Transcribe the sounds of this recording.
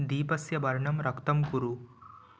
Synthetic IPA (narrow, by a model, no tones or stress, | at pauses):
d̪iːpɐsjɐbɐɾɳɐmɾɐkt̪ɐmkuɾu